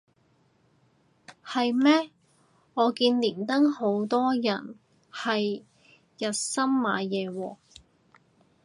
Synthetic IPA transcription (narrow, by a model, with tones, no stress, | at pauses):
hɐ˨jmɛː˥ | ŋɔː˨˧kiː˧nliː˨˩nt̪ɐ˥ŋho˨˥wt̪ɔː˥jɐ˨˩n | hɐ˨j | jɐ˨t̚sɐ˥mma̰ː˨˧jɛː˨˧wɔː˧